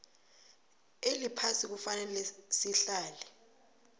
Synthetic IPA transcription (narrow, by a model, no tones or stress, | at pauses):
elipʰasik̬ufanɛlɛsiɬaːlɛ